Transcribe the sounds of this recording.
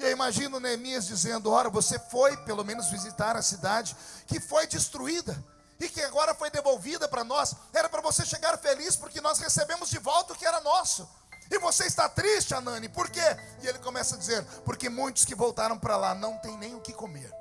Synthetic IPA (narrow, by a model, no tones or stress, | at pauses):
ewimaʒĩnʊnemiɐzd͡ʒizẽnd̪ʊɔɾɐvosefojpelomẽnʊzvizit̪aɾɐsid̪ad͡ʒɪkɪfojd͡ʒɪst̪ɾuid̪ɐ | ɪkɪaɡɔɾɐfojd̪evowvid̪ɐpɾɐnɔsɛɾɐpɾɐvoseʃeɡaɾfelispoɾkɪnɔshesebẽmʊzd͡ʒɪvɔwt̪ɐʊkɪɛɾɐnɔsʊ | ɪvoseɪst̪at̪ɾist͡ʃɪanɐ̃nɪpoɾke | ɪelɪkõmɛsɐd͡ʒizeɾpoɾkemũj̃t̪ʊskɪvowt̪aɾɐ̃w̃pɾɐlanɐ̃w̃t̪ẽj̃nẽj̃ʊkɪkomḛɾ